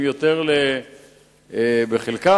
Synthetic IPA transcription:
mjot̪eʁle | beχelka

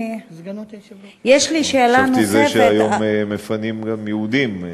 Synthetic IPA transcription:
jeʃliʃelanizeʃeajommefanimɡamjeud̪im

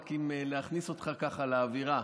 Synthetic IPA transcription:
kimeleaχniso̞t̪χakaχalaːviʁa

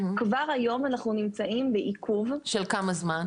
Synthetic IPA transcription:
kvaʁajo̞manaχnunimt͡saʔimbeʔikʰuvʃelkamazman

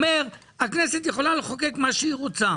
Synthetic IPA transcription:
me̞ʁ | akne̞set̪jeχo̞laleχoke̞kmaʃeiʁot͡sa

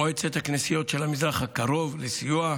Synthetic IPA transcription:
oet͡set̪haknisijo̞tʃelamizʁaχakaʁo̞vlesijua

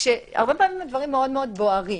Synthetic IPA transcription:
ʃea̰ʁbepamimad̪vaʁimːeo̞dmeo̞d̪bo̞aʁi

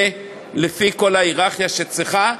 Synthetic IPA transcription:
e | lefiko̞laiʁaχjaʃet͡sʁeχa

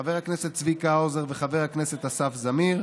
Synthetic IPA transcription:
aveʁakneset̪̚t͡svikaozeʁveχaveʁakneset̪hasafzamiʁ

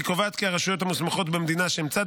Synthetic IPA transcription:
ikovaːt̪kiaʁaʃujo̞t̪hamusmaχo̞t̪bemed̪inaʃeimt͡sad̪

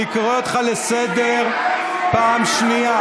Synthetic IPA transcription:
ikʁoot̪χalesed̪eʁ | paːmʃnia

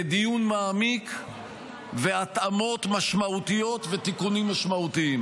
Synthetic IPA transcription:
d̪ijunmaːmik | ve̞at̪amo̞t̪maʃmaut̪ijo̞t̪vet̪ikunimːaʃmaut̪iim

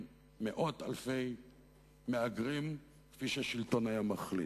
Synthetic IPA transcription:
meʔo̞t̪a̰lfe̞j | meaɡʁim | kfiʃeaʃilto̞najamaχlḭt

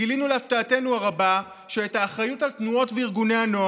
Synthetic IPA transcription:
ilinuleaftaːte̞nuaʁaba | ʃeːtaːχʁajutalt̪nuo̞tveiʁɡune̞ano̞

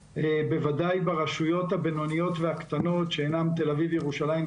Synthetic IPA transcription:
ebe̞vad̪ajbaʁaʃujo̞t̪habeno̞nijo̞t̪veakt̪ano̞tʃeːnamt̪e̞lavivjeʁuʃalajim

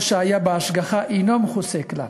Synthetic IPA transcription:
ʃajabaːʃɡaχaʔinɔmχusekla̰

